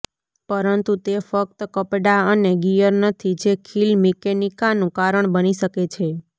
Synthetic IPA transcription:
pəɾənt̪ut̪efək̚t̪kəpɖaəneɡijəɾnət̪ʰid͡ʒekʰilmikenikanũkaɾəɳbəniʃəket͡ʃʰe

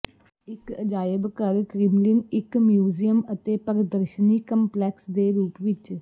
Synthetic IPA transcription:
ɪkəd͡ʒaːjəbkəɾkɾɪmlɪnɪkmjuːzijəmət̪eːpəɾəd̪əɾʃəniːkəmplɛːksd̪eːɾuːpʋɪt͡ʃ

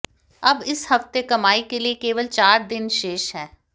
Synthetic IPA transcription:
ɐbɪshɐft̪ekɐmaːikeliekeːʋəlt͡ʃaːɾd̪ɪnʃeːʃɦɛː

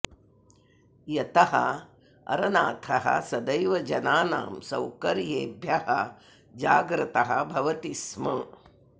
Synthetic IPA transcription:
jɐt̪ɐɦɐ̰ | ɐ̰ɾɐnaːt̪ʰɐɦɐ̰sɐd̪ɐjʋɐd͡ʒɐnaːna̰ːmsɐ̰wkɐɾjeːbʱjɐhɐ̰ | d͡ʒaːɡɾɨt̪ɐɦɐ̰̆bʱɐʋɐt̪ismɐ

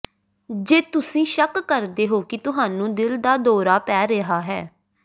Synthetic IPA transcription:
d͡ʒeːt̪ʊsĩːʃəkːəɾd̪eːɦoːkɪt̪ʊɦaːnũːd̪ɪld̪aːd̪oːɾaːpɛːɾeɦaːɦɛː

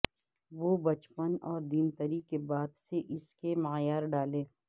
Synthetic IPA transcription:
ʋoːbɐt͡ʃpənɔːɾd̪iːnt̪ɐɾikebaːd̪seʔɪskemaːjaːɾɖaːlẽː

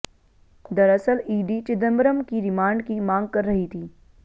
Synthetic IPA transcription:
d̪əɾəsəliːɖit͡ʃɪd̪ənbəɾəmkiɾɪmaːɳɖkimãːŋɡ̚kəɾːɐɦit̪ʰiː

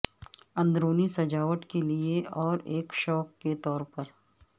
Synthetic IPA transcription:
ɐ̃nd̪ɾoːnisɐd͡ʒaːʋəʈkelieɔːɾeːkʃɔːkːet̪ɔːɾpɐɾ

